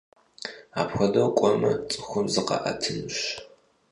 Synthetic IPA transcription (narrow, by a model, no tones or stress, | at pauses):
aːpxʷɐdɐwkʷʼɔmɐt͡sʼɨxʷʊmzɨqɐ̰ʔɐ̰tʰɨnɨɕ